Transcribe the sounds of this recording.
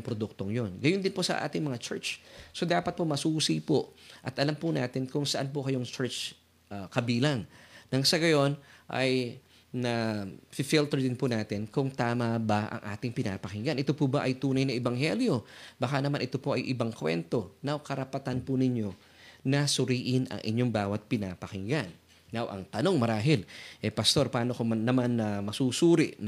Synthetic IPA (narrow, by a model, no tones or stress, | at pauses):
ɐŋpɾod̪uk̚t̪oŋjo̞nɡɐjond̪ɪnposɐ̰ʔa̰ːt̪ɪŋmɐŋat͡ʃɛ̰ɹt͡ʃso̞d̪aːpɐt̪̚pomɐsuːsipoʔɐt̪ʔɐlampʊna̰ːt̪ɪnkʊŋsɐʔanp̬ʊkɐjo̞ŋt͡ʃɛɹt͡ʃ | akɐbiːlɐŋnɐŋsɐɡɐjo̞nʔɐ̰j | nɐfɪfilt̪ɛɹd̪ɪnpʊnaːt̪ɪnkʊŋt̪aːmabɐʔɐ̰ŋʔa̰ːt̪ɪŋpɪna̰pɐkɪŋɡanʔɪt̪opʊbaʔɐjt̪uːnɐjnɐʔɛbɐŋhɛljo̞bɐkanɐmanʔɪt̪o̞po̞ʔɐjʔɪbɐŋkwɛ̰nt̪o̞nɐwkɐɾɐpɐt̪anpʊnɪɲo̞ | nɐsʊɾiːʔɪnɐ̰ŋʔɪ̰ɲjo̞ŋbaːwɐt̪̚pɪnapɐkɪŋɡanː | awʔɐ̰ŋt̪ɐno̞ŋmɐɾaːɦɪlʔɛpɐst̪o̞ɾpaːnokomnːɐmanːɐmɐsusuːɾɪʔn